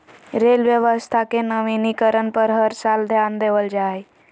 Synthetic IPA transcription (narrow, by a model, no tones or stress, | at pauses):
ɾelʋjəʋəst̪ʰakenəʋinikəɾənpəɾɦəɾsald̪ʱjand̪eʋəld͡ʒaj